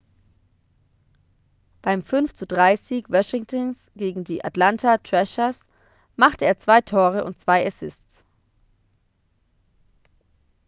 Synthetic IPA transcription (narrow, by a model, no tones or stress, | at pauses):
b̥aɪmfʏnft͡sudʁaɪziːkvɔʃɪŋtəns | ɡ̥eːɡŋ̩diːʔa̰tlantʰatʁ̥ɛʃɐs | maχtəeːɐt͡sv̥aɪtʰoːʁ̞əʔʊ̰nt̚t͡sv̥aɪɛsɪstt͡s